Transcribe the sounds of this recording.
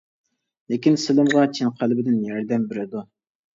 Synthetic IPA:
lɪkʲinsɪlˠɨmʁɑt͡ʃʰɪnqʰælbɪd̪ɪnjɑɾd̪ɛmbɪɾɪd̪u

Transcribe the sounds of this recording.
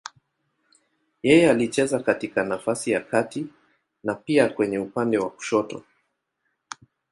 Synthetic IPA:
jɛjɛalit͡ʃɛzakatikanafasijakati | napiakwɛɲɛupandɛwaku̥ʃɔtɔ̰

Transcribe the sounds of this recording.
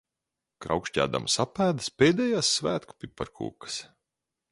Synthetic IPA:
kɾa̰wkʃcʲæ̰ːd̪a̰msapæːd̪ɨspʲeːd̪ɛjaːsːvæːt̪ku̥pʲipːaɾkʰṵːkə̥s

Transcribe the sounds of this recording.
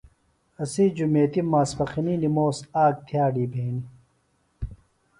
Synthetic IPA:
ɐsid͡ʑumeːt̪imaːspɐxininimoːsaːk̚t̪ʰjaːɖiːbʱeːni

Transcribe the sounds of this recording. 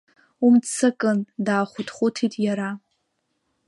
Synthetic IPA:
umt͡sʰɨkʼɨndaːχʷʊtʰχʷʊtʰitʼjaɾa

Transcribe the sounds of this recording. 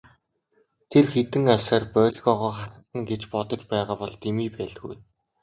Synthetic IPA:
t̪ʰerxet̪ɘ̆ŋasaːrpœːɮɣɔʁɔːχaə̆t̪ə̆ŋɡet͡ɕpɔt̪ɞ̆t͡ɕpæːʁaːpɔɮt̪ʰemiːpæːɮ̆ɡṵj

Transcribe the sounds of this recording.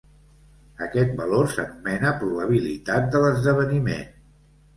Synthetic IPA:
əkɛt̪̚bəlorsə̰numɛnəpɾuβəβ̞ilit̪at̪̚d̪ələzðəβənimḛn

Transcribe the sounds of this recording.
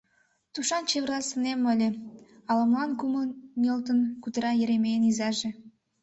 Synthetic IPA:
t̪uʃɑnt͡ɕeβə̆rlˠɑsənemːəlʲeɑlə̆mlɑnkuməmʲolt̪ənkut̪əɾɑjəɾemejənizɑʒe

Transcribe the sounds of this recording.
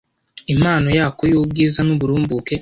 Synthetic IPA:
im̥aːno̞jaːkojoːb̚ɡiːzanuβuɾuːmbuke̞

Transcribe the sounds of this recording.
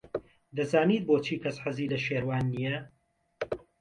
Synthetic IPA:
d̪ɐzaːniːt̪̚boːt͡ʃʰiːkʰɐsħaziːlɐʃeːɾwaːnːijɛ

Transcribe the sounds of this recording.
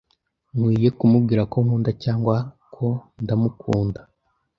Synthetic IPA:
ŋwiːje̞kumub̚ɡiːɾako̞ŋ̥uːndacaːŋɡwa | kʰo̞ndamukʰuːnda

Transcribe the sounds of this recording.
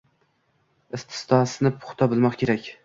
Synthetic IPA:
ɪst̪ʰɪ̥st̪ʰɒsɪnɪpʰʊ̥χt̪ʰɒbɪlˠmɒqkʲʰe̞ɾakʲ

